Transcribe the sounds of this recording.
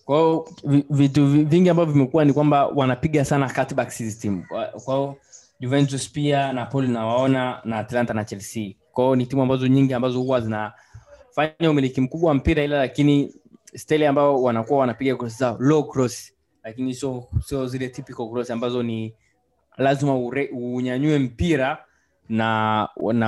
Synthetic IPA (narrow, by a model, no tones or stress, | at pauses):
kwaiɔvivituvviŋɡiambavɔvimɛkuwanikwambawanapiɠasanakatɓaksizitimukwaiɔ | ʄuvɛnt̬uspianapɔlnawaɔnanaːtlantanat͡ʃɛlsikwaiɔnitimuambazɔɲiŋɡiambazɔhuwazina | faɲaumilikim̩kuɓwawam̩piɾailalakinistɛliambaɔwanakuawanapiɡakɾɔs̬izalɔɡɾɔsi̥ | lakinihsɔsiɔzilɛtipikɔlkɾɔsiambazɔni | lazimauɾɛuɲaɲuɛm̩piɾa | nana